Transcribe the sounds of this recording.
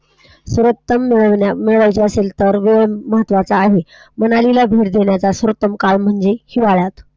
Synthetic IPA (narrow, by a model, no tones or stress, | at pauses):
suɾət̪ːəmːeɭəʋameɭʋajt͡ɕiəselt̪əɾʋeɭməɦət̪ːʋat͡saːɦe | mənalilabʱeʈd̪eɳjat͡sasuɾət̪ːəmkalm̤əɳd͡zehiʋaɭjat̪